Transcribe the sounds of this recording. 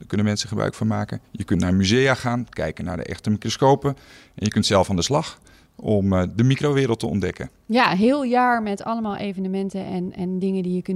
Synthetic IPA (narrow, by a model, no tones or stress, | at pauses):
əkønəmɛnsəχəbrœ̰ɥkfonmaːkəjəkøntnarəmyzejaxaːnkɛ̰jkəna̰rdə̰ʔɛ̰xtəmikroskoːpəʔɛnjəkøntsɛlˠfɔndəslɑx | ɔmdəmikroʋɪːɾəlˠtəɔ̰ndɛkə̰ | jaɦɪːlˠjaːɹmɛtɑ̰ləmaːlˠʔejvənəmɛntəɛnɛndɪŋədijəkn